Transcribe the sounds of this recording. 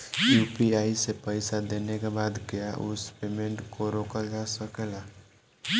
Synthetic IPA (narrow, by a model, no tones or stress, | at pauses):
juːpiaisepəɪsad̪enekebaːd̪kejaʔʊ̰spemẽɳʈkoɾoːkəld͡ʒasəkela